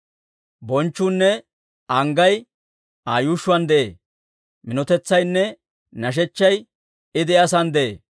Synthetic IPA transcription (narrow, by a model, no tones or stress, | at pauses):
bɔnt͡ʃːunːɛ | ɐŋɡɐj | aːjuʃʊwɐnd̪ɛʔḛː | mɪnɔt̪ɛt͡sːɐjnːɛ | nɐʃ̬ɛt͡ʃːɐj | ɪd̪ɪɐs̬ɐnd̪ɛʔḛː